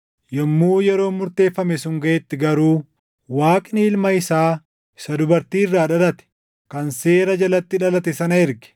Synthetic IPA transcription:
jɔmːuːjɛɾo̞ːmʊɾt̪e̞ːfːɐmɛsʊŋɡɐʔɛt̪ːɪɡɐɾuː | waːkʼɪnɪɪlmɐɪsaː | ɪsɐd̪ʊbɐɾt̪iːɪrːaːᶑɐlɐt̪ɛ̥ | kɐnseːɾɐd͡ʒɐlɐt̪ːɪᶑɐlɐt̪ɛsɐnɐɪɾɡɪ̥

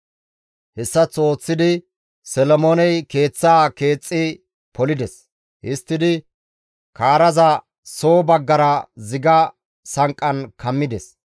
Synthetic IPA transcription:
hɛsːɐt͡sːo̞ːt͡sːɪd̪ɪ | sɛlɔmoːnɛjke̞ːt͡sːaːke̞ːt͡sʼːɪ | pɔlɪd̪ɛs | hɪst̪ːɪd̪ɪ | kaːɾɐzɐ | soːbɐɡːɐɾɐzɪɡɐ | sɐŋkʼːɐnkɐmːɪd̪ɛs

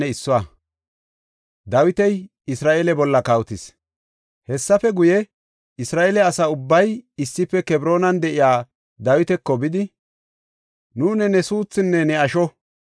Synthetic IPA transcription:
ɛɪsːɔaː | d̪ɐwɪt̪ɛj | ɪsɾaːʔeːlɛbɔlːɐkɐwt̪ɪs | hɛsːɐfɛɡʊjɛ | ɪsɾaːʔeːlɛɐsɐʊbːɐjɪsːɪpːɛkɛbɾo̞ːnɐnd̪ɛʔɪjaː | d̪ɐwɪt̪ɛkːɔbɪd̪ɪ | nuːnɛnɛsuːt͡sːɪnːɛnɛɐʃɔ

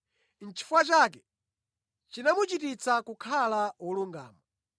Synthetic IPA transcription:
n̩t͡ʃʰi̥fwat͡ʃak̬ɛ | t͡ʃinamut͡ʃitit͡sakukʰalawuluŋɡa̰ːmɔ

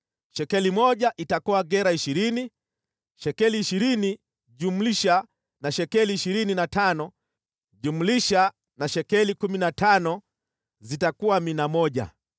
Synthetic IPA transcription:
ʃɛkɛlimɔʄaʔitakuwaɡɛɾaiʃiɾini | ʃɛkɛliːʃiɾini | ɟum̩liʃa | naʃɛkɛliːʃiɾininatanɔ | ʄum̩liʃa | naʃɛkɛlikuminatanɔ | zitakuwaminamɔʄa̰

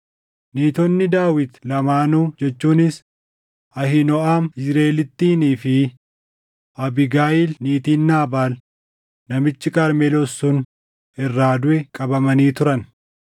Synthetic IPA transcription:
niːt̪ɔnːɪd̪aːwɪt̪lɐmaːnuːd͡ʒɛt͡ʃːuːnɪs | ɐhɪnɔʔaːmɪzɾeːlɪt̪ːiːniːfɪ | ɐbɪɡaːjɪlniːt̪iːnːaːbaːl | nɐmɪt͡ʃːɪkaːɾmɛlɔsːʊn | ɪrːaːd̪ʊʔɛkʼɐbɐmɐniːt̪ʊɾɐn

